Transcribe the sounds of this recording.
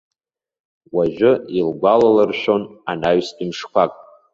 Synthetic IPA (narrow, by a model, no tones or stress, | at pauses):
waʒᶣʊilɡʷalalɨrʃᶣo̞nanaɥstʼimʂkʷʰakʼ